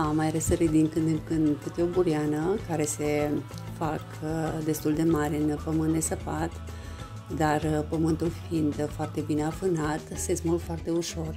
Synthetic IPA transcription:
amajɾesəɾid̪iŋkɨd̪kɨnd̪put̪eobuɾianəkaɾe̞se̞ | fakd̪e̞st̪uld̪e̞maɾɨnpəmɨnt̪d̪e̞səpat̪ | d̪arpəmɨnt̪ulfind̪foart̪e̞bineafɨnat̪sezmulfoart̪e̞uʃo̞r

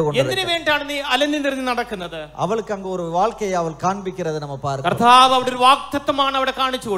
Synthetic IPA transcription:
koɳed̪ɪneʋeːɳɖaːɳɐnːiɐlɐnd̪iniɾnd̪inɐɽɐkːunːɐðɨɐ̰ʋɐɭɯkːɯɐŋɡɐɔɾɯʋaːɭkɐjɐɐʋɐɭkaːɳbɪkːɪrɐðɯnɐmːɐpaːɾkːpɾɐt̪aːʋɐʋɐɽoɾɯʋaːk̚t̪ːɐt̪ːɐmaːɳɐʋiɽekaːɳit͡ɕːɯko

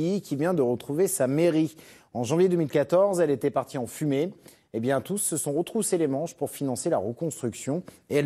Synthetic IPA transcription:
ikʲivjɛ̃d̪əʁət̪χuvesameʁi | ɑ̃ʒɑ̃vjed̪əmilkat̪ɔʁzɛlet̪ɛpaʁt̪iɑ̃fymeː | bjɛ̃t̪usːəsɔ̃ʁət̪χuselemɑ̃ʃpuʁfinɑ̃sela̰ʁəkɔ̃st̪χyksjɔ̃ | eɛl

